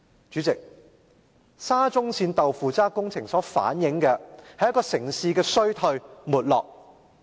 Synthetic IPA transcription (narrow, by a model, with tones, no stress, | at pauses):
t͡ʃyː˨˥t͡sɪ˨k̚ | saː˥t͡sʊ˥ŋsiː˧nt̪ɐ˨wfuː˨t͡saː˥kʊ˥ŋt͡sʰɪ˨˩ŋsɔː˨˥fa̰ː˨˥njɪ˨˥ŋkɛː˧hɐ˨jɐ˥kɔː˧sɪ˨˩ŋsiː˧kɛː˧sɵ˥ɥt̪ʰɵ˧ɥmuː˨t̚lɔː˨˩k̚